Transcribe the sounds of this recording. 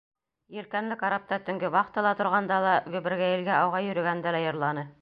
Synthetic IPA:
jɘ̆lkænlɘkɑɾɑp̚t̪ɑt̪ɵ̆ŋɡɘwɑqt̪ɤ̆lˠɑt̪ŏɾʁɑnd̪ɑlˠɑɡɵ̆βɘ̆ɾɡæjɘ̆lɡæɑwʁɑjɵ̆ɾɵ̆ɡænd̪ælæjɤ̆ɾlˠɑnɤ

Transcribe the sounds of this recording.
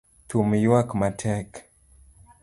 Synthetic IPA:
tumjwakmatʰɛk

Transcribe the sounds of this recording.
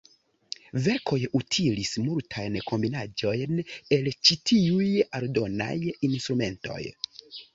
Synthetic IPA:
ve̞ɾkʰo̞jutʰilismultʰajnkʰo̞mbinad͡ʒo̞jne̞lt͡ʃitʰiujaldo̞na̰jinstɾume̞nto̞̰j

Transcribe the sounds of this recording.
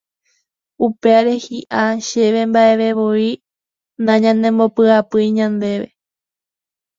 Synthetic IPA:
upe̞aɾe̞hiʔaʃe̞ʋe̞mbaʔe̞ʋe̞ʋoi | nãɲãnẽ̞mbopɨapɨiɲãnd̪e̞ʋe̞̰

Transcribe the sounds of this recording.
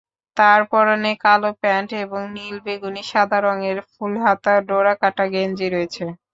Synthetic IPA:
t̪aɾpɔɾonekalopɛɳʈeboŋnilbeɡuniʃad̪ʱaɾoŋeɾfulɦat̪aɖoɾakaʈaɡend͡ʑiɾoet͡ɕʰe

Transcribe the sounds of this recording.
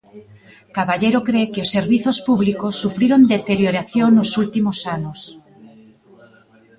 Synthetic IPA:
kaβaʎeɾokɾekeosːe̞ɾβiθospuβlikosːufɾeɾond̪et̪eɾjoɾaθjonːosult̪imosanos

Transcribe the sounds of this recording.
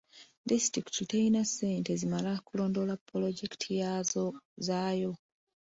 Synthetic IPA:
distɾiktiteinasːe̞ːnte̞zimalakulo̞ːndo̞lapːolo̞ɟektʰijazo̞zaːjo̞

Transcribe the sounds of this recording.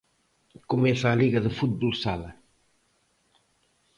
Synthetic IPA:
kumɛsaːliɣɐðəfut̪̚bulˠsalɐ

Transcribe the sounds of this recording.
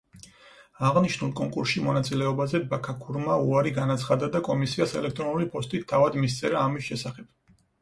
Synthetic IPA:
aʁniʃnulˠkʼɔŋkʼuɾsʃimɔnat̪sʼilɛɔbazɛbakʰakʰuɾmaṵaɾiɡanat̪sʰχad̪ad̪akʼɔmisiasɛlɛk̚ʰt̪ʼɾɔnulipʰɔst̪ʼit̪ʰːavad̪mist̪sʼɛɾaːmisʃɛsaχɛb̥̚

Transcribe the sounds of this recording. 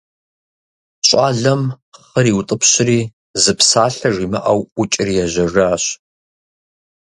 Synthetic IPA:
ɕʷʼaːɮɐm | χəɾiːwt̪ʼəpʰɕɪriː | zɨpsaːɬɐʐiːmɐ̰ʔɐwʊt͡ʃʼɪriːjɛʑɐʐaːɕ

